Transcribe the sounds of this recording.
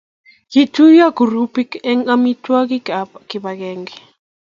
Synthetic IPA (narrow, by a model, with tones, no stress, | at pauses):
ki˨tu˦ja˦ɡu˨ɾu˦pi˦kɛ˦ŋa˦mi˦twa˦ki˦ki˨ba˨kɛ˨ŋɡɛ˨